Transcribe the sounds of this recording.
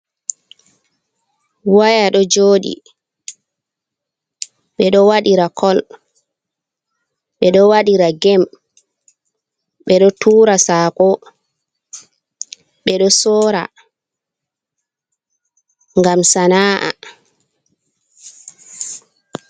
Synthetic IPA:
wajaɗɔd͡ʒoːɗḭ | ɓɛɗɔwaɗiɾakʰɔl | ɓɛɗɔwaɗiɾaɡɛm | ɓɛɗɔtʰuːɾasaːkɔ | ɓɛɗɔsɔːɾa̰ | ŋɡamsanaːʔa̰

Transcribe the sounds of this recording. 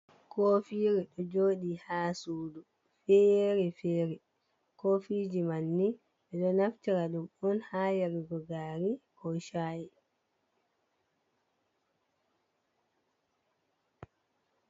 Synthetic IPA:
koːfiːɾɛɗɔd͡ʒoːɗihaːsuːdu | fɛɾɛfɛːɾɛ | kofiːd͡ʒimanːi | ɓɛɗɔnaftiɾaɗumɔnhaːjaɾiɡɔɡaːɾikɔʃajɛ

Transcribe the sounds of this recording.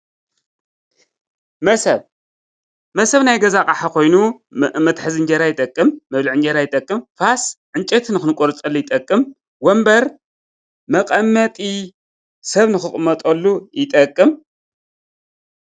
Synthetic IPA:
mɐsɐβ | mɐsɐβnajɡɐzakʼaħakʰo̞jnumɐt̪ħɨzɨnd͡ʒɐɾajɪt̪ʼɐkʼːɨmːɐβlɨʕɨnd͡ʒɐɾajɪt̪ʼɐkʼːɨmfasʕɨnt͡ʃʼɐt̪nɨxɨnɨkʼoɾɨt͡sʼɐlːujɪt̪ʼɐkʼːɨm | wɔmbɐɾ | mɐkʼɐmːɐt̪ʼi | sɐβnɨxɨxʼmɐt̪ʼɐlːujɪt̪ʼɐkʼːɨm

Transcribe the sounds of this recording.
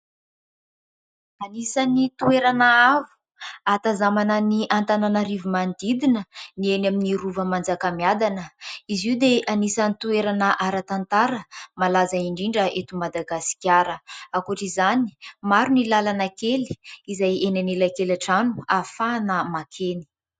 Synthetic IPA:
anisanit̪ueɾanaavu̥ | at̪azamanəniʔant̪ananaɾivumand̪id̪inənienaminiɾuvəmand͡zakamiad̪anəiziwd̪eʔanisanit̪ueɾanəʔaɾat̪ant̪aɾəmalazaiɳɖ͡ʐiɳɖ͡ʐəet̪umad̪aɡasi̥kʲjaɾəakuʈ͡ʂizani̥maɾunilalanakeli̥izajenanelakelaʈ͡ʂanuafanəmakʰeni̥

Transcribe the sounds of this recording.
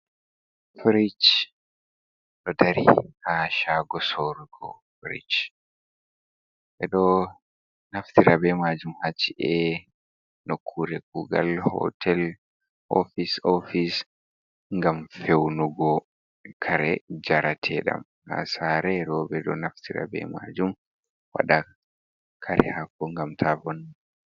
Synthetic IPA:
fɾit͡ʃ | ɗɔdaɾḭhaːʃaːɡɔsoːɾuɡɔ̰fɾḭt͡ʃ | ʔɛɗɔ | naft̪ʰiɾabɛmaːd͡ʒumhat͡ʃːiʔɛ | nɔkʰːuɾɛk̚uɡa̰lhɔ̰tʰɛl | ʔofisofis | ŋɡamfewnuɡɔ | kʰaɾɛd͡ʒaɾatʰɛɗa̰m | ha̰saːɾɛɾɔːbɛɗɔnaftʰiɾa̰bɛ̰ma̰d͡ʒum | wa̰ɗa | kʰaɾʔɛ̰hakːɔŋɡamtʰavɔn

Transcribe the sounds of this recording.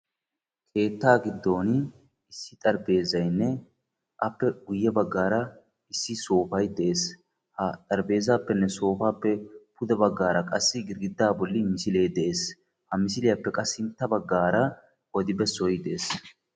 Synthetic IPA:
kʰe̞ːt̪ːaːɡɪd̪ːo̞ːn | ɪsːɪt̪ʼɐɾbe̞ːzɐjnːɛ | ʔɐpːɛɡʊjːɛbɐɡːaːɾɐ | ɪsːɪso̞ːfɐjd̪ɛʔe̞ːs | hɐt̪ʼɐɾbe̞ːzaːpːɛnːɛso̞ːfaːpːɛpʊd̪ɛbɐɡːaːɾɐkʼɐsːɪɡɪɾɡɪd̪ːaːbɔlːɪmɪsɪle̞ːd̪ɛʔe̞ːs | hɐmɪsɪlɪjɐpːɛkʼɐsːɪnt̪ːɐbɐɡːaːɾɐ | ʔɔd̪ɪbɛsɔjd̪ɛeːs

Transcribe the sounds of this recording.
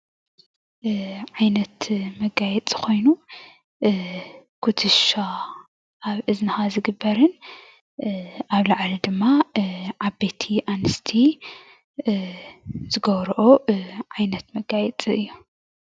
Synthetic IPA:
ʕajnɐt̪mɐɡajɛt͡sʼi̥kʰo̞jnu | kʰut̪ʰɨʃa | ʔaβʔɨznɨxazɨɡɨbːɐɾɨn | ʔaβlɐʕlid̪ɨmːaʕabet̪ʰiʔanɨst̪ʰi | zɨɡɐβɾʔoʕajnɐt̪mɐɡajɛt͡sʼiɨjːu

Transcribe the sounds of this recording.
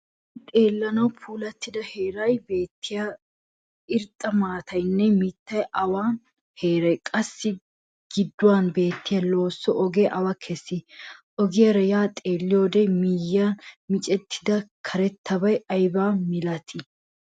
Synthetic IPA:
t̪ʼeːlːɐnɐwpʰuːlɐt̪ːɪd̪ɐheːɾɐjbe̞ːt̪ːɪja | ɪɾt̪ʼːɐmaːt̪ʰɐjnːɛmɪt̪ːɐjʔɐwaːn | heːɾɐjkʼɐsːɪ | ɡ̥ɪd̪ːʊwanbe̞ːt̪ːɪjɐlo̞ːsːɔʔɔɡeʔɐwɐkʰesːɪʔɔɡɪjɐɾɐjaːt̪ʼe̞ːlːɪjoːd̪ɛmijːɐmɪt͡ʃʼɛt̪ʰːɪd̪ɐkʰɐɾɛt̪ʰːɐbɐjɐjbaːmɪlɐt̪ʰɪ

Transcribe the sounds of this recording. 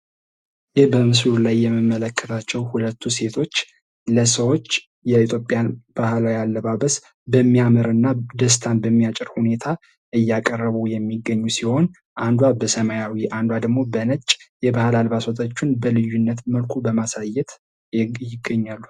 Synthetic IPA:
jɪhbəmɨslulajːɛmːɨmːələkʰːət̪ʰat͡ʃːɛwhulət̪ʰːuse̞t̪ʰo̞t͡ʃː | ləsəwo̞t͡ʃː | jɛit̪ʰjo̞pʼjanb̥ahlajalːəβaβəs | bəmːiamɨɾɨnːad̪əs̬t̪ʰanbəmːijat͡ʃʼɪɾhune̞t̪ʰa | ʔɨjːakʼərːəβujɛmːiɡːəɲːusiho̞n | ʔand̪wabəsəmajawiʔand̪wad̪əɡmo̞bənət͡ʃʼjɛbahlalbasot̪ʰʼət͡ʃːunbəlɨjːunːət̪məlkʷʰubəmasajɛt̪ | jɪɡːəɲːalːu

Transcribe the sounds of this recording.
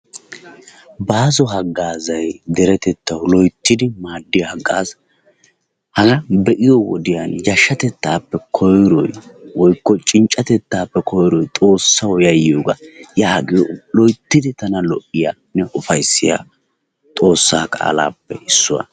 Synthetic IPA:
baːzɔɦɐɡːaːzɐjd̪ɛɾɛt̪ɛt̪ːɐwlɔjt̪ːɪd̪ɪmaːd̪ːɪjɐhɐɡːa̰ːs | hɐɡɐbɛʔɪjɔwɔ̰d̪ɪjanjɐʃːɐt̪ɛt̪ːaːpːɛkʰɔjɾɔjwɔjkːɔt͡ʃʼɪnt͡ʃʼːɐt̪ɛt̪ːaːpːɛkʰɔjɾɔjt̪ʼo̞ːsːɐwɔjɐjɪjoːɡɐjaːɡɪjɔlɔjt̪ːɪd̪ɪt̪ɐnɐlɔʔːɪja | nɛʔʊfɐjsːɪja̰ː | t̪ʼo̞ːsːaːkʼa̰ːla̰ːpːɛɪsːʊwa̰

